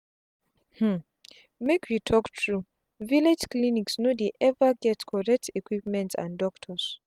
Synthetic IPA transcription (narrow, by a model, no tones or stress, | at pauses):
h̩ | mekʰwitʰɔktʰɹu | viled͡ʒkliniksnodeʔɛvəɡɛtkʰɔɹɛk̚tʰikwipmɛ̃ntsã̰ndɔktʰəs